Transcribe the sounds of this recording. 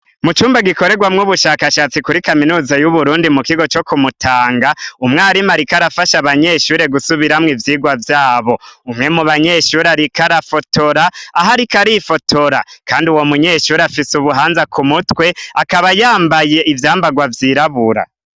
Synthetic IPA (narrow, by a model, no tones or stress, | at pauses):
mut͡ʃuːmbaɡiko̞ɾe̞ɡwamŋuβuʃaːkaʃaːt͡sikuɾikaminuːzajuβuɾuːndimukiɡo̞t͡ʃo̞kumutʰaːŋɡaumŋaːɾimaɾikaɾafaʃaβaɲe̞ʃuːɾe̞ɡusuβiɾamŋivjiːɡwavjaːβo̞umŋe̞muβaɲeːʃuːɾeaɾikaɾafotʰoɾaːɦaɾikaɾifo̞tʰoɾa̰kaːndiuwo̞muɲe̞ːʃuːɾeafisuβuɦaːnzakʰumutwe̞akaβajaːmbaje̞ʔivjaːmbaɡwavjiɾaβuɾa̰